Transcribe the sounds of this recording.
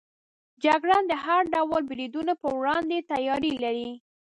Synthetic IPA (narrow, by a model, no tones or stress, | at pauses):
d͡ʒaɡɽɑnd̪əhaɾɖawəlbɾid̪unapəwɽɑnd̪et̪ajɑɾilaɾi